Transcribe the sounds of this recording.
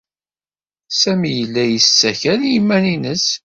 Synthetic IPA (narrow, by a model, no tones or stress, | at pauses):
sæmijəlːæjəst͡sːæçænjimːæninəs